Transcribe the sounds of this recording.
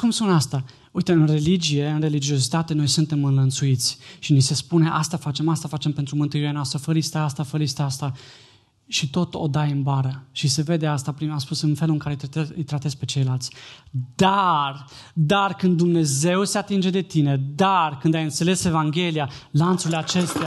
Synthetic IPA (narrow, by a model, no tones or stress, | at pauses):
kumspunast̪a | uit̪əɨnre̞lid͡ʒije̞ɨnre̞lid͡ʒio̞s̬it̪at̪e̞no̞jsunt̪e̞mɨnlənt̪suit̪sʲʃinise̞spune̞ʔa̰st̪afat͡ʃe̞mast̪afat͡ʃe̞mpe̞nt̪ɾumɨnt̪uiɾeanoast̪ɾəfəlist̪əast̪afəlist̪east̪a | ʃit̪o̞t̪o̞̰d̪ajɨnbaɾəʃise̞ve̞d̪e̞ast̪apɾinaspusɨnfe̞luɨŋkaɾeɨjt̪ɾat̪espe̞t͡ʃe̞jlalt̪sʲd̪ard̪arkɨnd̪ːumne̞ze̞wse̞at̪ind͡ʒe̞d̪e̞t̪ine̞d̪arkɨnd̪ajɨnt̪sele̞se̞vaŋɡʲe̞lijalant̪suleat͡ʃe̞st̪ea